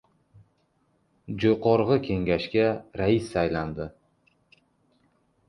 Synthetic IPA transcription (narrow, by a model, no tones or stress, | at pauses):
d͡ʒojqʰɒɾʁɨkʲʰe̞ŋɡʲaʃkʲaɾaisːajland̪ɪ